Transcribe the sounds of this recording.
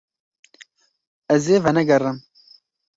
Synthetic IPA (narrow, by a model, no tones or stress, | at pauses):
ɛzeːvɐnɛɡɐrɨm